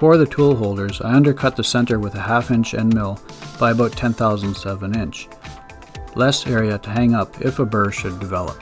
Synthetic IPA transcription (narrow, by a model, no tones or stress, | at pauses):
fə˞ðɨtʰulˠɦoʊlˠdə˞za̰ɪʌ̃ndə˞kʰʌt̪̚ðɨsɛ̃ntə˞wɨðɨhæfɪ̃nt͡ʃɨ̰̃nmɪlˠ | b̥aɪɨbaʊtʰɛ̃nθaʊz̃n̩dzʌvɨ̃nɪ̃nt͡ʃ | lɛsɛɹiɨɾɨɦæ̃ŋʌpʰɪfəbɜ˞ʃɨdɨvɛlˠə̰p̚